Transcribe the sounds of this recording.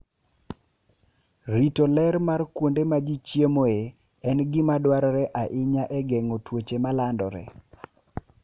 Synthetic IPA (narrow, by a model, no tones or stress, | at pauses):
ɾitolɛɾmarkwondemad͡ʒit͡ʃjemoe | ɛnɡɪmadwaɾɔɾɛʔaʔɪɲaʔɛɡɛŋotwot͡ʃemalandɔɾɛ̰